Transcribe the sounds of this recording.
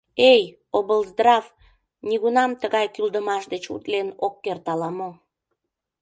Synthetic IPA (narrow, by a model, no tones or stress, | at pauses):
ej | obəlzd̪rɑv | nʲiɣunɑmt̪əɣɑjkyld̪əmɑʃd̪et͡ɕṵt̪lenokːert̪ɑlɑmo